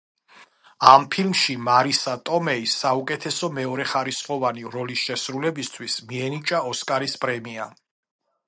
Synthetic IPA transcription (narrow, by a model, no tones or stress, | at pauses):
ampʰilmʃimaɾisat̪ʼɔmɛisːaukʼɛt̪ʰɛsɔmɛɔɾɛχaɾisχʼɔvaniɾɔlisʃɛsɾulɛbist̪ʰwismiɛnit͡ʃʼaɔskʼaɾispʼɾɛmia